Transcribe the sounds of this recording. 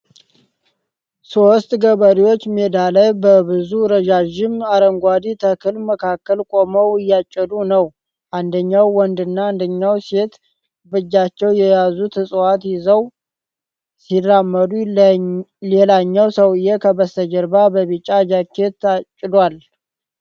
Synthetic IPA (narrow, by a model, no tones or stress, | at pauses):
sost̪ʼɡəβəɾiwot͡ʃːmed̪aləbəβɨzuɾəd͡ʒaʒɪmaɾəŋɡʷad̪it̪ʰəkʰɨlməkʰakːəlkʼo̞məwɨjːat͡ʃʼːəd̪unəw | ʔand̪əɲːawːɔnd̪ɨnːaːnd̪əɲːawse̞t̪ | bɨd͡ʒːat͡ʃːɛwjɛjazut̪ʰɨsʼwat̪jɪzəw | sirːamːəd̪u | lelaɲːawsəwɨjːɛkʰəbəst̪əd͡ʒəɾbabəβit͡ʃʼːad͡ʒakʰːet̪ːat͡ʃʼːɪdwal